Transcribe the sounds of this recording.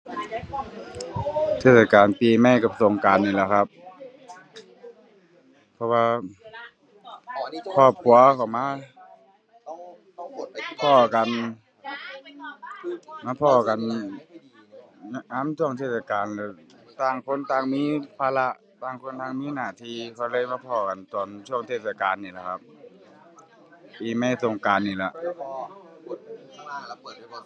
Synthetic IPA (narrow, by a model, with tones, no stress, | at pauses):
t̪ʰeː˧˩sa˧kaː˨npiː˨˩ma˧˩jka˧˩pso˨ŋkaː˨nːiː˧˩˨lɛ˧˨kʰa˧˥p̚ | pʰɔ˧waː˧ | kʰɔː˧˩p̚ku˨ɐkʰa˧˩wmaː˧˥˨ | pʰɔː˧˩ka˨n | maː˧˥pʰɔː˧˩ka˨n | na˧naː˧˥˨mt̪ʰu˧˥˩əŋt̪ʰeː˧˩t̚sa˧kaː˨nlɛ˧˩t̪aː˧˩ŋkʰo˧˥˨nt̪aː˧˨ŋmiː˧˥˨pʰaː˧la˧ʔ | taː˧˩ŋkʰo˧˥˨nt̪ʰa˧˩˨ŋmiː˧˥˨naː˧˩˨t̪ʰiː˧˩˨kʰa˧˩lɯː˧˥˨jmaː˧˥˧pʰɔː˧˩ka˨nt̪ɔː˨˩nt̪ʰu˥˩əŋt̪ʰeː˧˩t̪̚sa˧kaː˨nːiː˧˩˨a˧˩kʰa˧p̚ | piː˨˩ma˧˥˨so˨˩ŋkaː˨nːiː˧˩la˧ʔ